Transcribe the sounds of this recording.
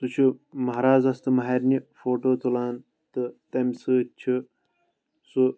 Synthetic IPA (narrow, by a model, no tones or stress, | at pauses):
t̪ut͡ʃʰumɐɦɾaːzɐst̪ɨmɐɦeːɾnifoːʈoːt̪ʰulaːn | t̪ɨt̪ɐmsɨt͡ʃʰi | su